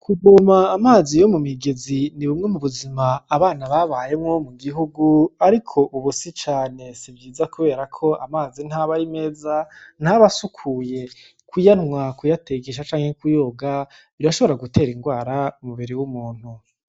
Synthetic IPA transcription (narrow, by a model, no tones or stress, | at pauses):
kʰuɡumaːmaːzijo̞mumiɡeziniβumŋe̞muβuzimaːβaːnaβaβaje̞mŋo̞muɡiɦuɡuaɾikʰo̞ʔuβusit͡ʃaːne̞sibjiːzakuβe̞ːɾakʰo̞a̰maːzin̥haβaɾime̞ːzan̥haβasukʰuje̞ | kujanŋwakujateɡeʃ̬at͡ʃaːŋhekujo̞ɡa | iɾaʃo̞βo̞ɾaɡutʰe̞ːɾiŋɡwaːɾaumuβiɾiwumuːn̥u